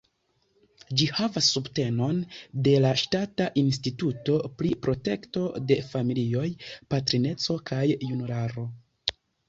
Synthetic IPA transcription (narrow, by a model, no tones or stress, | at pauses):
d͡ʒihavasːubte̞no̞nde̞laʃtataʔins̬tituto̞pɾipɾo̞te̞kto̞de̞familio̞jpatɾine̞t͡so̞kʰajːunulaɾo̞